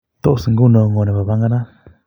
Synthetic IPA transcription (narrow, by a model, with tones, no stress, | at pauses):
t̪o˦ʔo˨sɨ˨ŋɡu˦˨nõ˧ŋo˧nẽ˨βa˨βa˦ŋɡa˦nã˦